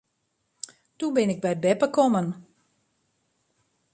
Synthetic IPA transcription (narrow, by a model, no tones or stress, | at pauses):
dubɪnɪk̚bɛjbɛpəkɔmən